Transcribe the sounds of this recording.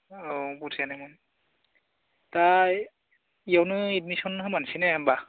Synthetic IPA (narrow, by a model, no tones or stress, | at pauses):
obusʰanɛmun | ta | ijawnɯitmisɔnɦɯmansinɛːmba